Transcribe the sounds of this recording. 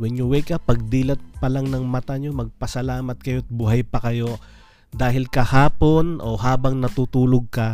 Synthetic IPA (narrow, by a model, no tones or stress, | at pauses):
wɛɲʊwɛjkɐpɐɡ̚d̪iːlɐt̪̚pɐlaŋnɐŋmɐt̪aɲomɐɡ̚pɐsɐlaːmɐt̪̚kɐjoɐt̪̚bʊɦajpɐkɐjo̞ | d̪aːɦɪlkɐhaːpo̞nʔo̞haːbɐŋnɐt̪ut̪uːloɡ̚kɐ